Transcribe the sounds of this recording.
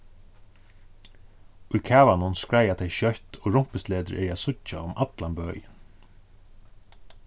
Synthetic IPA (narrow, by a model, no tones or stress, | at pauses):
ʊjkʰaːvanʊnskɹajat̪ʰejʃœht̪ɔɣɹʊm̥pɪst̪leːt̪əɾʔɛ̰aːðsʊt͡ʃa̰ʊmʔat̪lanbœːjɪn